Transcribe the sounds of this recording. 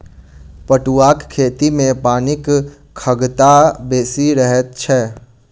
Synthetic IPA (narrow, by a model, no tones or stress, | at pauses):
pəʈuwaːkkʰːeːt̪imẽpaːnɪk | kʰəɡt̪abeːsiɾəɦɛt̪̚t͡ʃʰɛ